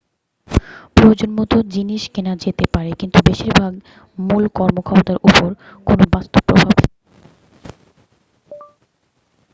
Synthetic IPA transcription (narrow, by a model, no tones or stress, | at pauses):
pɾoed͡ʑonmɔt̪od͡ʑiniʃkenad͡ʑet̪epaɾekint̪ubeʃiɾbʱaɡ | mulkɔɾmokʰabot̪aɾʔupoɾ | konobast̪opɾo̰bʱab